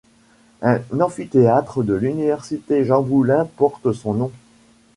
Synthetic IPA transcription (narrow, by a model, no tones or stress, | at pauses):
ɛ̃nɑ̃fit̪eat̪χəd̪əlynivɛʁsit̪eʒɑ̃bulɛ̃pɔʁt̪əsɔ̃nɔ̃